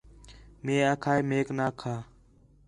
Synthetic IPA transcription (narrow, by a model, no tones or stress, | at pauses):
mẽːakʰaːeːmeːknaːkʰaː